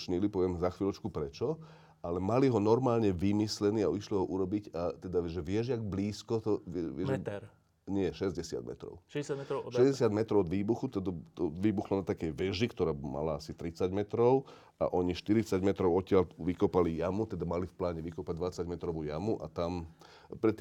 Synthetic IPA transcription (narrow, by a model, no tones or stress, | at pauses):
t͡ʃɲilipɔʋɪɛmzaxʋiːlɔt͡ʃkupɾɛt͡ʃɔ | alɛmaliɦɔnɔɾmaːlɲɛʋimislɛniːaiʃliɦɔʔuɾɔbiɟat̪ɛd̪aʒɛʋɪɛʒaɡbliːskɔt̪ɔʋɛɛɛ | ɲɪɛʃɛzɟɛsɪa̰d̪mɛ̰t̪ɾɔ̰ʊʃsjaʃɛzɟɛsɪad̪mɛt̪ɾɔʊɔd̪ʋiːbuxut̪ɔd̪at̪ɔʋiːbuxlɔnat̪akɛjʋɛʒikt̪ɔɾaːma̰laasit̪ɾit͡saɟmɛt̪ɾɔʊ | a̰ʔɔɲiʃt̪iɾit͡saɟmɛt̪ɾɔʊɔt̪ɪalʋikɔpalijamut̪ɛd̪amalifplaːɲɛʋikɔpaɟ̚d̪ʋat͡saɟmɛt̪ɾɔʋujamuʔa̰t̪am | pɾɛt̪ː